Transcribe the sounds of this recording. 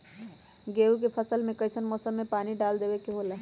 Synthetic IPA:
ɡeːukepʰəsəlmẽkəɪsənmɔːsəmːẽpaːniɖald̪eːbekeɦoːla

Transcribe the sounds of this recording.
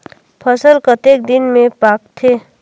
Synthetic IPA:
pʰəsəlkət̪eːk̚d̪ɪnmẽpaːk̚t̪ʰeː

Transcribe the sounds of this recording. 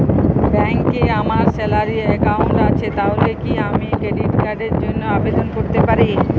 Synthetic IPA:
bɛ̃ːŋkːeːamaːɾseːlaːɾiekaːũɳɾaːt͡ʃʰeːt̪aːʊɾekiːaːmĩkɾeɖiːʈkəɖed͡ʒʊnaːbeːd̪ʱənkʊʈt̪epəɾiː

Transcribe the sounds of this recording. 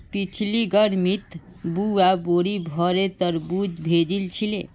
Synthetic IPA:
pit͡ʃʰliɡəɾmit̪ | buaboɾibʱɔɾet̪əɾbud͡ʒbʱed͡ʒilt͡ʃʰile

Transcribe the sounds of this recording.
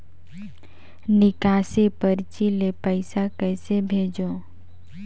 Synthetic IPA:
nɪkaːsepəɾt͡ʃilepəɪsakɛːsebʱeːd͡ʒõː

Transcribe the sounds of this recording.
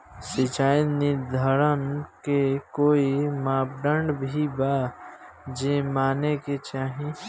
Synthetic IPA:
sɪt͡ʃaːinɪd̪ʱəɾənkekoːimaːp̚ɖə̃ɳɖbʱiba | d͡ʒemaːneket͡ʃaːɦĩ

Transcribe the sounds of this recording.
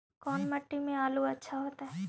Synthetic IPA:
kɔːnmɐʈːimẽaːluɐtːʃʰaɦoːt̪aɦɛː

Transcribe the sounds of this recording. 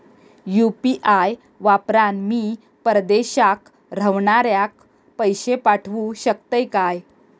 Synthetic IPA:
jupiʔaj | ʋapɾanmiː | pəɾd̪eɕak | ɾəʋɳaɾjak̚ | pəjɕepaʈʰʋuɕəkt̪əjkaj

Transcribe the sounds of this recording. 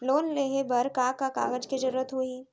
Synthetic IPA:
loːnleːɦebɐɾkaːkaka̰ːɡəd͡ʒkid͡ʒɐɾuːɾət̪ɦoi

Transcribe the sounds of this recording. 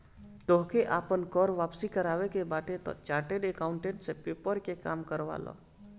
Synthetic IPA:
t̪oɦkeʔaːpənkɔːɾʋaːpsikəɾaːʋekebaːʈet̪o̰t͡ʃaːɾʈeɖekaʊ̃ɳʈẽɳʈsepeːpəɾkekaːmkəɾʋa̰ːlo̰

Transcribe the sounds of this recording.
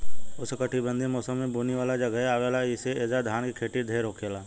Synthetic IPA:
ʊskəʈʰibə̃nd̪ʱimɔːsəmːẽbʱuːniʋaːlad͡ʒɐɡəɦaːʋelaiseeːzad̪ʱaːnkikʰeːʈid̪ʱeːɾoːkʰeːlaː

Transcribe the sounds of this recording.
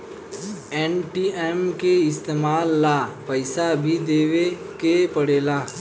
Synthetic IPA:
ɛːnʈiːɛːmkeɪst̪eːmaːlːaːpəɪsabʱid̪eːʋe | kepəɽeːlaː

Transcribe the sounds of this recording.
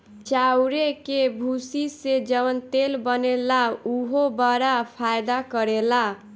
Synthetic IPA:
t͡ʃawɾekebʱusised͡ʒʌβʌnt̪elbʌnelauɦobaɾapʰajd̪akʌɾela

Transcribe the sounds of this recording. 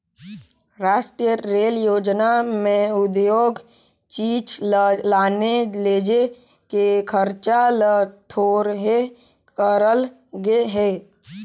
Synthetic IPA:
ɾaːʃʈɾijəɾeːljoːd͡ʒnamẽʊd̪joːɡ | t͡ʃiːt͡ʃlaːneleːd͡ʒe | kekʰəɾt͡ʃalt̪ʰoːɾɦe | kəɾəl | ɡeɦeː

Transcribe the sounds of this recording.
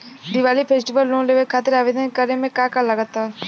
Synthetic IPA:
d̪ɪʋaːlipʰeːsʈiʋəlːõːnleːʋekʰaːt̪ɪɾaːʋed̪əkəɾemẽkaːkalːəɡət̪ːa

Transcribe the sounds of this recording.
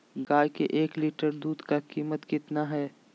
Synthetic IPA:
ɡaːjkeʔeːkliːʈəɾd̪uːd̪kakiːmət̪kɪt̪naɦɛː

